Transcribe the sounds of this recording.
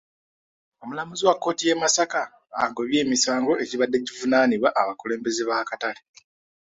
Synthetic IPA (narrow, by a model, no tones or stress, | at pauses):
o̞mulamuziwakːo̞ːtije̞masaka̰ː | ŋɡo̞βje̞ːmisaːŋɡo̞e̞ciβadːe̞ɟivunaːniβwaʔːβakuleːmbe̞zeβakatale